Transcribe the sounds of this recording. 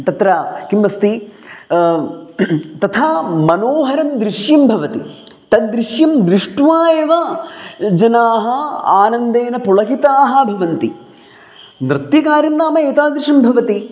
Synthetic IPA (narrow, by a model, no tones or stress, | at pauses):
t̪ɐt̪ɾɐkimːɐst̪i | t̪ɐt̪ʰaːmɐnoːɦɐɾɐmd̪ɾiʂjɐmbʱɐʋɐt̪i | t̪ɐd̪ɾiʂjɐmd̪ɾiʂʈʋaːjeʋɐ | d͡ʒɐnaːɦɐaːnɐnd̪eːnɐpuɭɐkit̪aːɦɐ̆bʱɐʋɐnt̪i | nɾɨt̪jɐkaːɾjɐmːaːmɐeːt̪aːd̪ɾɪʂɐmbʱɐʋɐt̪i